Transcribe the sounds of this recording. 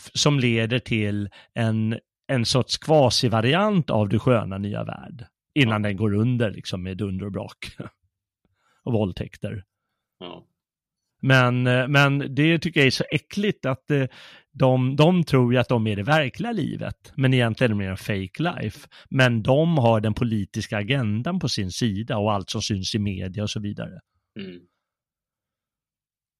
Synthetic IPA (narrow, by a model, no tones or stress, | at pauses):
sɔmleːd̪əʈʰɪlɛn | ɛnsɔʈʂkʰvɑːsɪvaɾɪant̪a̰vd̪ɛɧøːnany̰ːa̰væ̰ːɖ | ɪnːand̪ɛnɡoːɾɵnd̪əɾɭʔɪ̰ksɔmːed̪ɵnd̪əɾɔbɾɑ̰ːk | ɔbɔlt̪ʰɛkt̪ə̰ɾ | mɛnmɛnd̪ɛt̪ʰʏkːəjaæʂɔʔɛklɪt̪at̪ | d̪ɔmd̪ɔmt̪ʰɾuːɾjat̪̚d̪ɔmæɖɛvæɾkʰlɪɡalḭːvə̰t̪mɛnɪjɛnt̪lɪɡənɛmeɾɔfejkla̰jfmɛnd̪ɔmɦaɖɛnpʰʊliːt̪ɪskaːɡɛnd̪anpʰɔsɪnsiːd̪aɔalt̪sɔmsʏnsɪmḛːd̪ɪjaɔsɔviːd̪a̰ɾə